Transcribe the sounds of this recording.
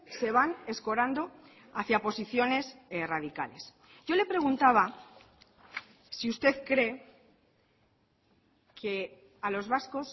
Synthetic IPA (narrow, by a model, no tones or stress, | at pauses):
se̞β̞ane̞sko̞ɾand̪o̞ | aθjapo̞siθjo̞ne̞sraðika̰le̞s | ɟ͡ʝo̞le̞pɾe̞ɣ̞unt̪aβ̞a | siust̪e̞ðkɾe̞ | kʰe | alo̞zβasko̞s